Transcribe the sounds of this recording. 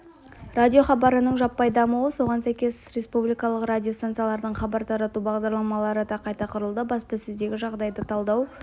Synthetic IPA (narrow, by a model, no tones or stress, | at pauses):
radʲijo̞χɑbɑɾənəɴʒɑpːɑjd̪ɑmuwəso̞ʁɑnsæjkʲe̞sɾe̞spublijkɑlˠəqradʲijost̪ant̪sɨjalˠɑɾd̪əɴχɑbɑɾt̪ʰɑɾɑt̪ubɑʁd̪ɑɾlˠɑmɑlˠɑɾəd̪ɑqʰɑjt̪ɑqʰʊɾəlˠd̪əbɑspɑsɵzd̪e̞ɡʲɪʒɑʁd̪ɑjd̪ət̪ʰɑlˠd̪ɑw